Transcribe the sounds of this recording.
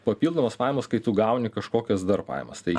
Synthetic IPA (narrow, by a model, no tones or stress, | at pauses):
pɐpʲiːlˠd̪oːmɐspɑːjmɐskɐɪt̪uːɡɐʊnʲɪkɐʃkoːkʲɛsd̪ɐɾpɑ̰ɪjmɐ̰st̪ɐɪ